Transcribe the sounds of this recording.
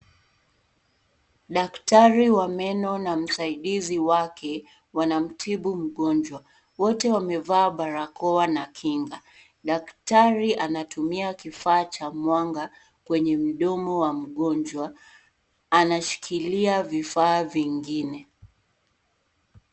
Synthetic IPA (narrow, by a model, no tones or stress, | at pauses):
ɗaktaɾiwamɛnɔnam̩saiɗiziwakʰɛ | wanam̩tʰiɓum̩ɠɔnd͡ʒwa | wɔtɛwamɛvaːɓaɾakɔwanakʰiŋɡa | ɗaktaɾiʔanatumiakifaːt͡ʃamwaŋɡa | kwɛɲɛm̩ɗɔmɔwam̩ɠɔnd͡ʒwaː | naʃi̥kʰiliavifaːviŋɡinɛ